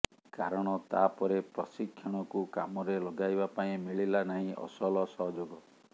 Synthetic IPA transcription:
kaɾɔɽ̃ɔt̪apɔɾepɾɔsikʰːjɔɽ̃ɔkukamɔɾelɔɡajbapaĩmiɭilanaɦĩʔɔ̰sɔlɔsɔɦɔd͡ʒoɡɔ

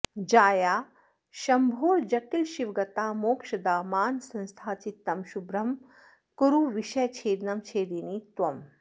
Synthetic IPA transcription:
d͡ʒaːjaː | ʃɐmbʱoːɾd͡ʒɐʈilʃiʋɡɐt̪aːmoːkʃɐd̪aːmaːnsɐ̃nst̪ʰaːt͡ʃit̪ːɐmʃubɾɐm | kuɾuʋiʃɐjt͡ʃʰeːd̪nɐmt͡ʃʰeːd̪init̪ʋɐm

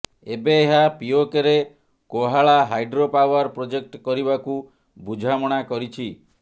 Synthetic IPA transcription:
ebeːɦapiokeɾe | koɦaɭaɦajɖɾopawɔɾpɾod͡ʒek̚ʈkɔɾibaku | bud͡ʒʱamɔɽ̃akɔɾit͡ʃʰi

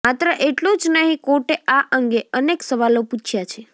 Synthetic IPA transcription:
mat̪ɾəʔeʈlũd͡ʒnəɦĩkoʈeʔaʔəŋɡeəneksəʋaloput͡ʃʰjat͡ʃʰe

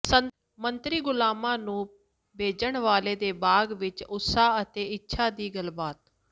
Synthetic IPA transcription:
ə | mənt̪ɾiːɡʊlaːmãːnũː | bʱeːd͡ʒəɳʋaːleːd̪eːbaːɡʋɪt͡ʃʊsaːət̪eːɪtːʃʰaːd̪iːɡəlbaːt̪

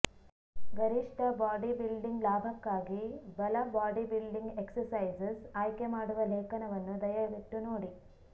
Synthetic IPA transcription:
ɡɐɾiʂʈɐbaːɖibilɖiŋɡlaːbʱɐkːaːɡibɐlɐbaːɖibilɖiŋɡeksɐɾsɐjd͡ʒesaːjkemaːɽuʋɐleːkɐnɐʋɐnːud̪ɐjɐʋiʈ̪ːunoːɽi

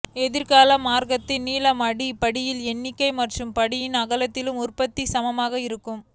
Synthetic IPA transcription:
ɛðɪɾkaːlɐmːaːɾɣɐt̪ːɪniːlɐmɐɽipɐɽɪjɪlɛnːɪkːɐɪmɐʈrɯmpɐɽɪjɪnɐɣɐlɐt̪ːɪlɯmʊrpɐt̪ːisɐmɐmaːɣɐɪɾɯkːɯm

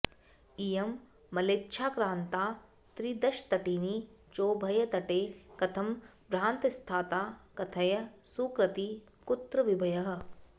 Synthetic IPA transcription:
ijɐmː | ɐleːtːʃʰaːkɾãːnt̪aː | t̪ɾid̪ɐʃt̪ɐʈiːnit͡ʃoːbʱɐjɐt̪ɐʈeːkɐt̪ʰɐm | bɾaːnt̪ɐst̪ʰaːt̪aːkɐt̪ʰɐjɐsuːkɾɐt̪i | kʊt̪ɾɐʋibʱɐjɐɦɐ̆

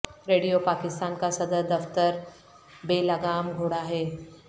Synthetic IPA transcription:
ɾeːɽijopakɪst̪ankasɐd̪əɾd̪ɐft̪əɾ | beləɡamɡʱoɽaːɦe

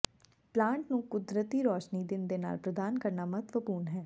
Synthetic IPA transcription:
plãːɳʈnũːkʊd̪ɾət̪iːɾɔːʃniːd̪ɪnd̪eːna̰ːlpɾəd̪aːnkəɾnaːmət̪ʰʋəpuːnɦɛː

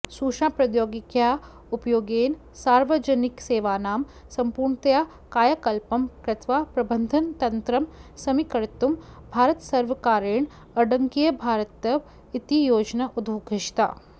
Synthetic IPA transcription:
suːʃaːpɾɐd̪joːɡikjaː | upjoːɡeːn | saːɾʋɐd͡ʒɐnikseːʋaːnaːm | sɐmpuːɾɳt̪jaː | kaːjɐkɐlpɐmkɾɪt̪ʋaːpɾɐbɐnd̪ʱɐnt̪ɐnt̪ɾɐmsɐmikɐɾt̪umbʱaːɾɐt̪sɐɾʋɐkaːɾeːɳ | ɐɖɐŋkijɐbʱaːɾɐt̪ɐʋ | it̪ijoːd͡ʒnɐʔud̪ʱʋuɡʱɐʃt̪a̰ː

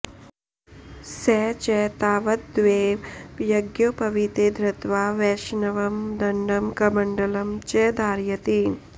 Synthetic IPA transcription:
sɛːt͡ʃɛt̪aːʋɐt̪̚d̪ʋeːʋjɐɡjopɐʋit̪eːd̪ɾɐt̪ʋaːʋɛːʃnɐʋɐmd̪ɐɳɖɐmkɐmɐɳɖɐlɐmt͡ʃɛːd̪aːɾjɐt̪i

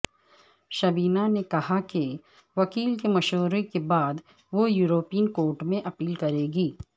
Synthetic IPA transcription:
ʃɐbiːnanekɐɦake | ʋɐkiːlkemɐʃoːɾekebaːd̪ | ʋojuːɾoːpijənkoːɾʈmẽʔɐpiːlkɐɾeːɡiː

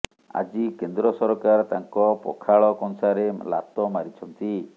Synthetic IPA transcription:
a̰d͡ʒikend̪ɾɔsɔɾɔkaɾt̪aŋkɔpɔ̰kʰaɭɔkɔŋsaɾela̰t̪ɔmaɾit͡ʃʰɔnt̪i

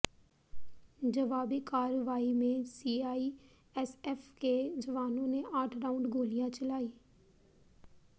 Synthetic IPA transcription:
d͡ʒɐʋaːbikaːɾəʋaːimẽsiːaːi | ɛsɛfked͡ʒɐʋaːnõneʔaːʈʰɾaːʊ̃ɳɖɡʱoːlijãt͡ʃəlaːiː

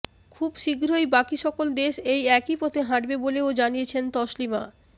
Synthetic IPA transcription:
kʰubʃiɡɾojbakiʃɔkold̪eʃejɛkipot̪ʰeɦãʈbeboleod͡ʑanijet͡ɕʰent̪ɔʃlima̰

